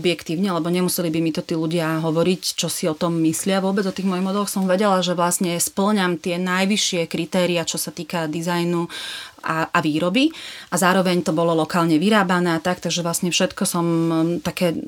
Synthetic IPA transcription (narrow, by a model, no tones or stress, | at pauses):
ɔbjɛkt̪iːʊɲɛlɛbɔɲɛmusɛlibimit̪ɔt̪iːluɟɪaɦɔʋɔɾict͡ʃɔsiɔt̪ɔmːislɪaʋʊɔbɛd͡zɔt̪iːɣmɔjiɦmɔd̪ɛlɔxsɔmʋɛɟɛlaʒɛʋlasɲɛspl̩ɲamt̪ɪɛnajʋiʃɪɛkɾit̪ɛːɾiat͡ʃɔsat̪iːkad̪izajnuʔaʔaʋiːɾɔbiʔazaːɾɔʋɛɲt̪ɔbɔlɔlɔkaːlɲɛʋiɾaːbanɛːat̪ak̚t̪aɡʒɛʋlasɲɛfʃɛt̪kɔsɔmt̪akɛː